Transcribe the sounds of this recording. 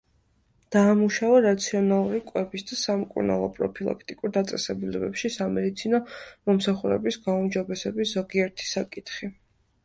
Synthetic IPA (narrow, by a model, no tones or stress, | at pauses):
d̪̥aːmuʃavaɾat̪sʰiɔnalˠuɾikʼwɛbisd̪asamkʼṵɾna̰lˠɔ̰pʼɾɔ̰pʰilˠa̰kʰt̪ʼikʼuɾd̪at̪sʼɛsɛbulɛbɛpʃisamɛd̪it̪sʰinɔmɔmsaχuɾɛ̰bisɡaumd͡ʒɔbɛsɛbisz̥ɔɡiɛɾt̪ʰi̥sakʼit̪ʰχi